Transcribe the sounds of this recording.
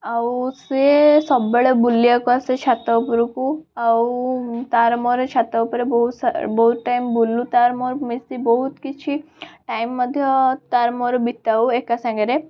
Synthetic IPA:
awsesɔbːəɭebulːjakuaset͡ʃʰat̪awpuɾukuawt̪aɾmoɾet͡ʃʰat̪aʋpuɾebɔɦusbɔɦt̪ʈajmbulːut̪aɾmoɾmisibɔɦut̪kit͡ʃʰi | ʈajmːəd̪ʱjɔt̪aɾmoɾbit̪auekasãŋɡɐɾe

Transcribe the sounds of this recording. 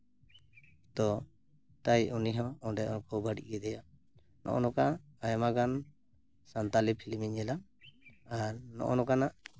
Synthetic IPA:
t̪ɔ | t̪ajuniɦɔ̃ɔ̃ɖɛɔnkɔbaɽḭʔɡɛd̪ɛja | nɔ̰ʔɔ̰nɔkaajmaɡan | sant̪alipʰilmiɲɛla | aɾnɔ̰ʔɔnɔkanaʔ

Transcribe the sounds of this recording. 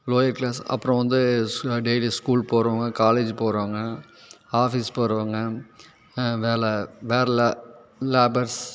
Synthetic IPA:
loːjɐɾklaːsɐ̰pːɯɾɔ̃ʋɐnd̪ɯɖeːliskuːlpoːɾɐːŋɡɐkaːleːd͡ʒpoːɾaːŋɡɐ | aːfispoːɾɯʋaːŋɡɐ | ʋeːlɛʋeːɾɐlleːbɐɾs

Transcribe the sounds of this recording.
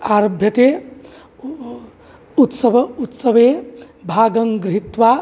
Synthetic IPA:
aɾobʱjət̪e | ut̪səbʱut̪səbe | bʱaːɡəŋɡɾit̪ʋa

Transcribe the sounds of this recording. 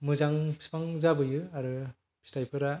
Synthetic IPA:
mɯzaŋʰspaŋzabɯjɯaɾɯ | pʰstajpʰɯɾa

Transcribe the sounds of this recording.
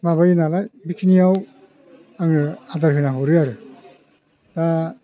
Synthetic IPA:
maβajinalajbikʰinijaw | aŋɯadaɾɦɯnaɦɯwɾɯaɾɯ | d̥a

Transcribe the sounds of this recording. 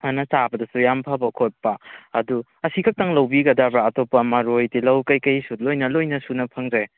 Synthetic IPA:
ɐnɐt͡ʃabɐdɐsujampʰabɐkʰot̚pɐːdu | ɐsikʰɐk̚taŋlɐwbiɡɐdabɾaːtopːɐmɐɾojtilɐwkɐjkɐjsulojnɐlojnɐsunɐpʰɐŋzaj

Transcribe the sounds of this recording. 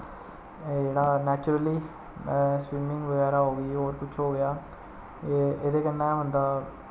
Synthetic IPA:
d͡ʒeːɽaːnɛːt͡ʃʊɾəlĩː | swɪːmɪ̃ŋɡʋəɡɛːɾaːɦoːɡəiːɦoːɾpʊt͡ʃʰɦoːɡɪjaː | eːd̪eːkənːɛ̃ːɦʊnd̪aː

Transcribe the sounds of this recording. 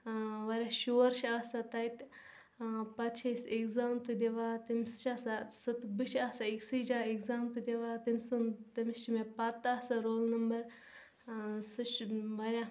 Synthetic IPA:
ʋɐɾʲaʃoːɾʃʰaːsat̪ɐjt̪ | pɐt̪t͡ʃʰɐsekzaːmt̪ɨd̪ʲeʋaːt̪imsɨ̥t͡ʃʰaːsasɨt̪bɨʃʰaːsaiksid͡ʒaːeɡzaːmt̪ɨd̪ʲeʋaːt̪imʲsunt̪ɐmist͡ʃimepɐt̪ːaːsaɾoːlnɐmbɐɾ | sɨt͡ʃʋɐɾʲja

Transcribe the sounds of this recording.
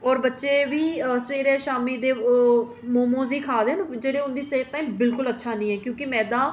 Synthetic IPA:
ɔːɾbətːʃeːʋiːsʋeːɾeːʃaːmiːd̪eː | moːmõːziːkʰaːd̪end͡ʒeːɽeːʊnd̪iːseːt̪ːãːĩːbɪlkʊlətːʃʰaːnĩːɦɛːkjõːkɪmɛ̃ːd̪aː

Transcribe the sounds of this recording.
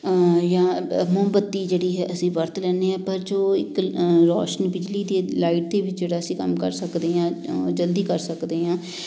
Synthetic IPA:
jãːmʊɦbət̪ːiːd͡ʒeːɽiːɦɛːəsĩːʋəɾt̪ʰlɛːneːãːpəɾd͡ʒoːɪkɾo̰ːʃənbɪd͡ʒliːd̪eːlaːɪʈ̚d̪eːʋɪt͡ʃd͡ʒeːɽaːəsĩːkə̰mkə̰ɾsəkd̪eːɦãːd͡ʒəld̪iːkəɾsəkd̪eːɦãː

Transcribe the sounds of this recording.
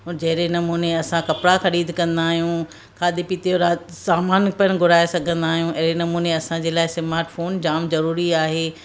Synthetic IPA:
ʊːɾd͡ʑɐɦɪɾenɐmuːneɐsãkɐpɽaxɐɾiːd̪ʱkɐ̃nd̪aːɦijũ | kʰaːd̪epit̪ijoɾasaːmaːnpɐñɡʱʊɾaːesɐɡʱə̃nd̪aːɦijũʔɐɦɾenɐmuːneɐsãd͡ʑeːlaːɪsɪmaːɾʈfoːnd͡ʑaːmzɐɾuːɾiaːɦeː

